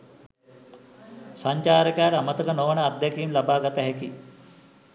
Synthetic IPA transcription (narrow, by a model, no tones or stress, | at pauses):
saɲt͡ʃaːɾəkaːɾamət̪əkənoʋnəːd̪jakiːmlabaːɡat̪əɦɛki